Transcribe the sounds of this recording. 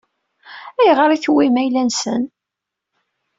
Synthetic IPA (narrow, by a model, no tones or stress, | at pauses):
æjʁəɾiçwimæjlænsə̰n